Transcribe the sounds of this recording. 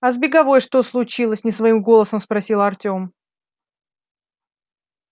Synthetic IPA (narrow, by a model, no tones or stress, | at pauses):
ɐzbʲɪɡɐvo̞jʂt̪o̞slˠʊt͡ɕilˠəsʲnʲɪsvɐimɡo̞lˠəsəmspɾɐsʲilˠɐrtʲo̞m